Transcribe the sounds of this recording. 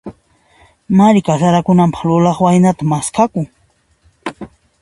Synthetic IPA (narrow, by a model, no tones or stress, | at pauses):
maɾɪkasaɾakʊnampɑ̥χlʊlɑχwajnat̪amaskakʊŋ